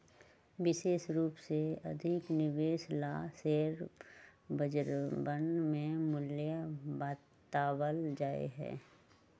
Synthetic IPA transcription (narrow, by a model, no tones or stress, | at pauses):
ʋɪʃeːʃɾuːpseɐd̪ʱɪknɪʋeːʃlaseːɾ | bəd͡ʒɾbənmẽmʊljəbaː | t̪aːwəld͡ʒaːḛɦɛ̰̃ː